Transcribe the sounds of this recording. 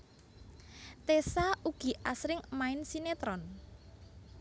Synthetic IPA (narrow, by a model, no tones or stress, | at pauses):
t̪esauɡ̥i̤ʔasɾɪŋmaɪnsinet̪ɾɔn